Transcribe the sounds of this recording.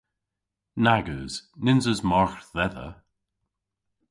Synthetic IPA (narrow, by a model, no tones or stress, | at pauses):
naɡəz̥nɪnzəzmɔɹxðɛðə̰